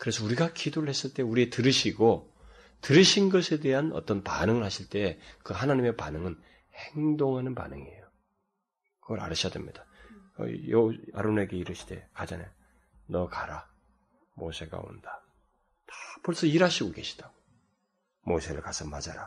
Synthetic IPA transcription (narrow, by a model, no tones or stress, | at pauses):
kɯɾe̞sʰʌuɾiɡakidoɾɯɭhe̞s͈ɯɭt͈e̞uɾietɯɾɯɕʰiɡo | tɯɾɯɕʰinɡʌsʰe̞de̞ɦanʌ̰t͈ʌnpa̰nɯŋɯɭhaɕʰiɭt͈e̞kɯhanaɲime̞panɯŋɯn | heŋdoŋɦanɯnpa̰nɯŋieejo | kɯɡʌɾa̰ɾɯɕʰijadḛmɲid̥aʌ̰joa̰ɾone̞ɡe̞iɾɯɕʰi̥d̥e̞̰kad͡ʑane | nʌkaɾa | mosʰe̞ɡa̰o̰nda | tḁpʌɭs͈ʌiɾaɕʰiɡoke̞ɕʰi̥d̥aɡo | mosʰe̞ɾɯɭkasʰʌmad͡ʑa̰ɾa